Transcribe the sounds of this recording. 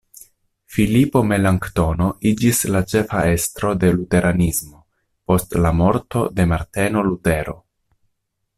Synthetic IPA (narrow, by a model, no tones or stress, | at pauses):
filipo̞me̞laŋkt̪o̞no̞id͡ʒislat͡ʃe̞fae̞stɾo̞de̞lute̞ɾʔanismo̞ | po̞stlamo̞ɾto̞de̞maɾte̞no̞lute̞ɾo̞̰